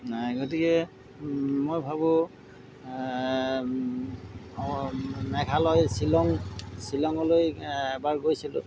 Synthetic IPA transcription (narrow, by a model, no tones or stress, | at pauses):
ɡotikɛ | mojbʱabʊ | mɛkʰalɔjsilɔŋsilɔŋɔlojbaɹɡojsilʊ̰̃